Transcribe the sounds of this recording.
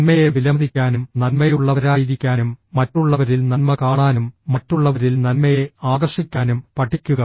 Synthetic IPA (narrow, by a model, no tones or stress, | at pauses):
nmɐjeʋilɐmɐd̪ikʲːaːnumnɐnmɐjuɭːɐʋɐɾaːjid̪ikʲːaːnumːɐtːuɭːɐʋɐɾilnɐnmɐkaːɳaːnumːɐtːuɭːɐʋɐɾilnɐlmɐjeaːɡɐrʂikʲːaːnumpɐʈʰːikʲːuɣɐ